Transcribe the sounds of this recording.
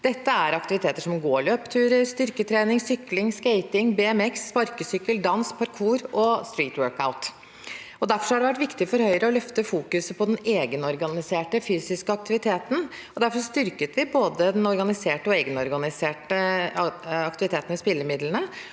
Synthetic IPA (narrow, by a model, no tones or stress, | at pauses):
d̪̥ɛt̪ːəæɾɑkt̪ɪʋɪt̪ʰeːt̪əʂɔmɡoːɭøːpt̪ʰʉːɾəɾst̪ʏɾkət̪ʰɾeːnɪŋsʏklɪŋskeɪt̪ɪŋbɛːɛmɛksːpɑɾkəsʏkːəld̪ɑnspʰɑɾkʰuːɾɔst̪ɾiːt̪wøɾka̰ʊt̪ | ɔd̪æɾfɔʂhɑɖɛʋæʈ̬ːʋɪkt̪ɪfɔɾhœʏɾəɔlœft̪əfuːkʉsəpʰɔd̪ɛneːɡənɔɾɡɑnɪseːʈəfyːsɪskəɑk̚t̪ɪʋɪt̪ʰeːt̪n̩ | ɔd̪æɾfɔst̪ʏɾkət̪ʋɪboːd̪əd̪ɛnɔɾɡɑnɪseːʈəɔeːɡənɔɾɡɑnɪseːʈə | ɑkt̪ɪʋɪt̪ʰeːt̪nʋɛspɪlːəmɪd̪lənə